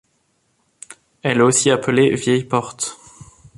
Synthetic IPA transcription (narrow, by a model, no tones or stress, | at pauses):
ɛlɛosiapəlevjɛjpɔʁt̪